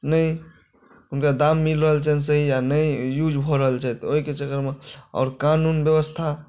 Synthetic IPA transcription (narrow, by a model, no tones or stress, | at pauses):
nəi | ʊnkad̪amːilɾəɦəlt͡ʃɛnsəɦijanəijud͡ʒbʱɔɾəɦəlt͡ʃʰɛt̪oɦiket͡ʃəkəɾmeɔ̰ːɾkanunbjəwəst̪ʰa